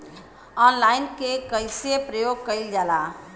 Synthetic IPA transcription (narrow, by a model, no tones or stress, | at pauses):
ɔnlaɪnkekəɪsepɾəjoɡ̚kəɪld͡ʒala